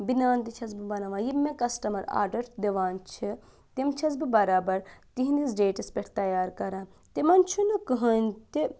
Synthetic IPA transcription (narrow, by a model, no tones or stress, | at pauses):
binaːnt̪it͡ʃʰɐzbibɐnaʋãːjimẽkɐsʈɐmɐɾa̰ːɾɖɐɾʈd̪eʋaːnt͡ʃʰi | t̪imt͡ʃʰɐzbibɐɾaːbɐɾt̪iɦind̪isɖeːʈɐspʲeʈʰt̪ɐjaːɾkɐɾãː | t̪imɐnt͡ʃʰunukɨɦɐnʲt̪i